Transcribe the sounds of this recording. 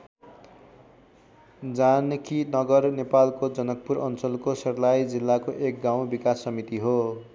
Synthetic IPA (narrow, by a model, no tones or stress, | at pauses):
d͡zankinʌɡʌrnepalkod͡zʌnʌk̚puɾʌnsʌlkosʌrlajd͡zilːakoʔek̚ɡaw̃bikasːʌmit̪iɦo